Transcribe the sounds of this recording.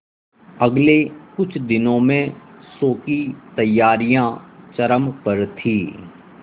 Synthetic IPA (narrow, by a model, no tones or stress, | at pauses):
ɐɡlekʊt͡ʃʰd̪ɪnõmẽsoːkit̪ɐjːaːɾijãt͡ʃɐɾəmpɐɾt̪ʰiː